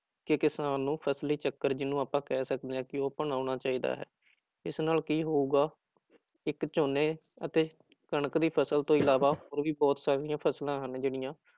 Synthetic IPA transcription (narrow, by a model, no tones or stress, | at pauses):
kɪkɪsaːnːũːpʰəsliːt͡ʃəkːəɾd͡ʒɪnũːaːpãːkɛːsəkd̪eːãːkɪoːpəɳaːʊɳaːt͡ʃaːiːd̪a̰ːɦɛ̰ː | ɪsnaːlkiːɦoːuːɡaː | ɪkt͡ʃoːneː | ət̪eː | kəɳəkd̪iːpʰəsəlt̪õːɪlaːʋaːɦoːɾʋiːbɔːt̪saːɾĩːãːpʰəslãːɦənd͡ʒeːɽɪjãː